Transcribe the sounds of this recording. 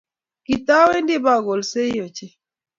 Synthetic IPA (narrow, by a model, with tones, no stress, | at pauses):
ki˨ta˦we˦ndɪ˦ba˦˨ɡo˨lse˦jo˨t͡ʃɪ˦